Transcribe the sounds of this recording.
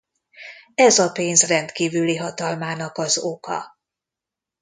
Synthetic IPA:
ɛzɒpeːnzrɛnt̪kiːvyliɦɒt̪ɒlmaːnɒkɒzo̞kɒ̰

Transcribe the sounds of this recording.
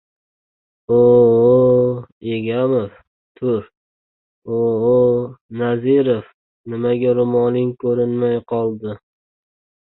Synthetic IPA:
oo | eɡʲamof | t̪ʰʊɾ | oɦonazɪɾof | nɪmaɡʲaɾʊmɒlɪŋkʰɵɾɪnmajqʰɒlˠd̪ɪ

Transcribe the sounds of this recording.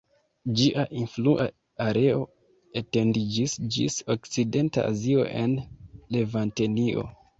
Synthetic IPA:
d͡ʒiʔaʔinfluʔa̰ | aɾe̞o̞ | ete̞ndid͡ʒisd͡ʒḭso̞kt͡side̞nta̰a̰zio̞̰ʔe̞nle̞vante̞nio̞̰

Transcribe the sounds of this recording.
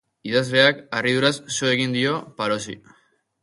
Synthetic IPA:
iðazle̞akarið̞uɾasːoeɣ̞ind̪io̞paɾo̞sḭ

